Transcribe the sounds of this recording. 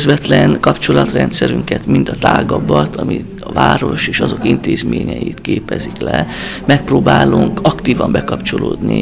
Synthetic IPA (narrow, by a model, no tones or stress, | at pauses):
zʋɛt̪lɛŋkɒpt͡ʃo̞lɒt̪rɛnt̪sɛɾyŋkɛt̪mint̪ɒt̪aːɡɒbɒt̪ʰɒmi | ɒvaːɾo̞ʃeːʃɒzo̞kint̪eːzmeːɲɛjit̪keːpɛziklɛmɛk̚proːbaːluŋkɒkt̪iːvɒmbɛkɒpt͡ʃoloːd̪ni